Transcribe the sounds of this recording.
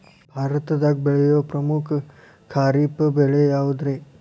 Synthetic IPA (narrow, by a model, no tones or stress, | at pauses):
bʱaɾət̪d̪aɡ̚beɭejopɾəmukʰː | aɾipbeɭejaud̪ɾe